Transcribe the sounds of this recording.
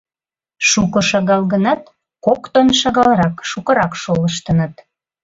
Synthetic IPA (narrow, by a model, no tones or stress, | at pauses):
ʃukə̆ʃɑɣɑlɣənɑt̪̚ | kokt̪onʃɑɣɑlɾɑkʃukə̆ɾɑkʃoləʃt̪ənət̪̚